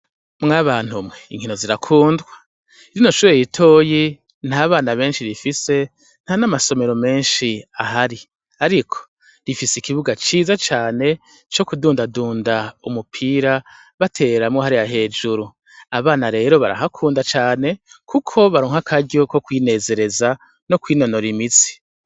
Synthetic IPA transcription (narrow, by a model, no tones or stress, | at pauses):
mŋaβaːn̥humŋeḭŋhino̞ziɾakʰuːndɡwa | iɾinoʃuːɾejitʰo̞ːji | n̥haːβaːnaβe̞ːnʃiɾifise̞ | n̥hanamaso̞me̞ɾo̞me̞ːnʃiaɦaɾi | aɾikʰo̥ | ɾifiseikiβuɡat͡ʃiːzat͡ʃaːne̞ | t͡ʃo̞kuduːndaduːndaumupʰiːɾa | βatʰe̞ːɾamŋohaɾijaɦe̞ːd͡ʒuɾu | aβaːnaɾe̞ːɾo̞βa̰ɾa̰ɦakʰuːndat͡ʃaːne̞kʰukʰo̞βaɾoːŋhakʰaɟo̞ko̞kwiːne̞ːze̞ɾe̞za | no̞kwiːno̞no̞ɾimit͡si̥